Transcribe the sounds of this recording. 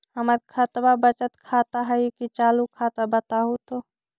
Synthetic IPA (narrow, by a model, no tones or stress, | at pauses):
əmət̪̚kʰət̪babət͡ʃət̪kʰat̪aɦəjkit͡ʃaːlukʰat̪abət̪aɦut̪o